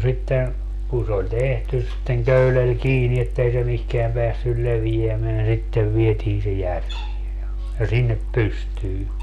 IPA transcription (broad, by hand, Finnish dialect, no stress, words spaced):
sitːen kun se olʲ tehtys sitːeŋ køylel kiːni etːei se mihkeæm peæsːyl leʋijæmeæn sitːeʋ ʋietiːn se jærʋie jɑ jɑ sinːep pystyː